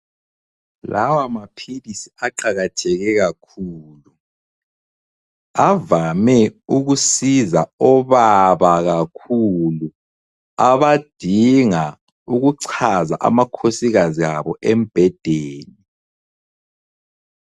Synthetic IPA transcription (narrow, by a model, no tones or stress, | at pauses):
la̰wamapʰilisiaǃaɣatʰɛɣɛɣakʰuːlu | avamɛuɣusizaɔβaβaɣakʰulu | aβad̥ʱiŋa | uɣuǀʰazaʔa̰makʰosiɣaziaβɔʔɛm̩b̥ʱɛd̥ʱeːni